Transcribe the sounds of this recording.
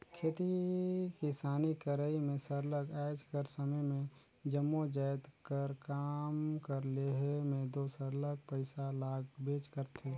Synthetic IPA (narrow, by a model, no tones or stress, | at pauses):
kʰeːt̪ikisaːnikəɾəimẽsəɾləkɛɪd͡ʒkəɾsəməjmẽ | d͡ʒəmːod͡ʒajt̪kəɾkaːmkəɾleɦmẽd̪osəɾləɡ̚pəɪsalaːɡbeːt͡ʃkəɾt̪ʰe